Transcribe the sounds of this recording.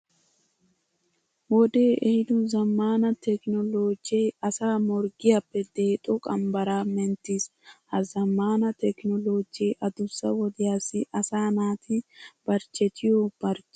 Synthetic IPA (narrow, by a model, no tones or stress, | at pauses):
wɔd̪eːʔɛhɪd̪ʊzɐmːaːnɐt̪ɛknɔloːd͡ʒɛjɐsaːmɔɾɡɪjɐpːɛd̪e̞ːt̪ʼɔkʼɐmbɐɾaːmɛnt̪ishɐzɐmːaːnɐt̪ɛknɔloːd͡ʒejʔɐd̪ʊsːɐwɔd̪ɪjaːsɪʔɐsaːnaːt̪ʰɪb̥ɐɾt͡ʃʼːɛt̪ʰɪjob̥ɐɾt͡ʃ